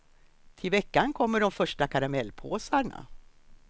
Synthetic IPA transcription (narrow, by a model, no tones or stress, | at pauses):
t̪ʰɪlvɛkːankʰɔmːəɖɔmfœʂʈakʰaɾamɛlːpʰoːsaɳa̰